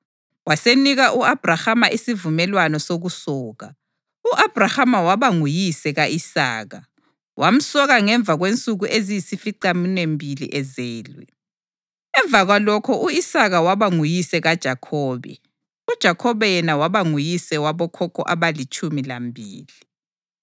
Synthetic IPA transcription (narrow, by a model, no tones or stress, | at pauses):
waseniɣaʔuab̥ʱrahamaʔisivumɛlwanɔsoɣusɔːɣa | uʔab̥ʱrahamawaβaŋujisɛɣaʔisa̰ːɣa̰ | wʔam̩sɔɣaŋɛɱb̪vʱaɣwent͡sʼuɣuʔezijisifiǀamunembʱilḭʔɛzeːlwḭ | ɛɱb̪vʱaɣwalɔkʰɔʔuisaɣawaβaŋujisɛɣad̥ʒ̥ʱakʰɔːβɛ̰ | ud̥ʒ̥ʱakʰɔβɛjɛnawaβaŋujisɛwaβɔkʰɔkʰɔ̰ʔaβalit͡ʃʼʰumilambʱḭːli